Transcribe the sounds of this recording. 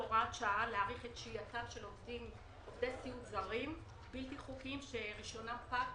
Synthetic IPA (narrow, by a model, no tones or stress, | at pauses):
oʁat̪ʃaaleaʁiχetʃijat͡savʃelovdim | ovd̪esiutzaʁim | bilt̪iχukimʃeʁiʃo̞napak